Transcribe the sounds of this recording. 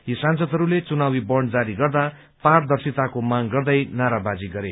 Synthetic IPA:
jisãnsʌd̪ɦʌɾulet͡sunawibʌɳd͡zaɾiɡʌrd̪a | pard̪ʌrsit̪akomaŋɡʌrd̪ʌjnaɾabad͡ziɡʌɾe

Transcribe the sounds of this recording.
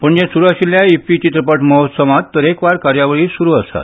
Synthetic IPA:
pəɳd͡ʑẽsuɾaɕiljaifit͡ɕit̪ɾəpəʈməɦot̪səmat̪t̪ːəɾekʋaɾkaɾjaʋəɭiːsuɾuːəst̪a̰t̪

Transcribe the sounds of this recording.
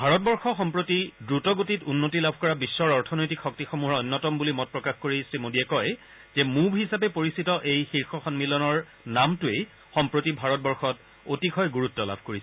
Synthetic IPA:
bʱaɹɔt̚bɔɹxɔxɔmpɹotidɹutɔɡotitunːotilabʱkɔɹabisːɔɹɔɹtʰɔnojtikxɔk̚tixomuɦɔɹɔjnːɔtɔmbulimɔt̚pɹɔkaxkoɹisɹimodiɛkɔj | zɛmubʱɦisap̬ɛpoɹisitɔʔejxiɹxɔxɔnmilɔnɔɹ | namtʊej | xɔmpɹotibʱaɹɔt̚bɔɹxɔt | otikʰɔjɡuɹutːɔla̰bʱkoɹisɛɛ

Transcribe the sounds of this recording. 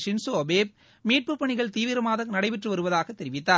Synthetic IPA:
ʂɪnsoːɐbeːp̚ | miːʈ̚pɯpːɐɳɪɣɐɭt̪iːʋɪɾɐmaːðɐnɐɽɐɪʋɪʈrɯʋɐɾɯʋɐðaːɣɐt̪ːɛɾɪʋɪt̪ːaː

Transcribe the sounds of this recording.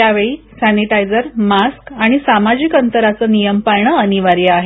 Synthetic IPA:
jaʋeɭiːsæniʈajd͡zəɾmaskaɽ̃isamad͡ʑiːkənt̪əɾat͡sənijəmpajɳ̃əːniʋaɾiaɦe

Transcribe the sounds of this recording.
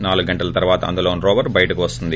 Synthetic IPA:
naːluɡɡɐɳʈɐlɐt̪ɐɾʋaːt̪ɐɐ̰nd̪uloːnɾoːʋɐɾbɐjɐʈɐkuʋɐst̪und̪i

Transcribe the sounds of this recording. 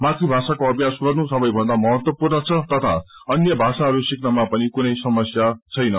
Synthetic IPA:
mat̪ʰribʱasakoʌbjasɡʌrnusʌbʌjbʱʌnd̪amʌɦʌt̪wʌpurnʌt͡sʰʌt̪ʌt̪ʰa | ʌnjʌbʱasaɦʌɾusiknamapʌnikunʌjsʌmʌsjat͡sʰʌjnʌ

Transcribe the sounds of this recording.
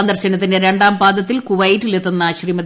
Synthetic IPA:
nd̪ɐrɕɐnɐt̪ːindeɾe̞ɳɖaːmpaːd̪ɐt̪ːilkuʋɐjʈːɨlet̪ːunːɐɕriːmɐd̪

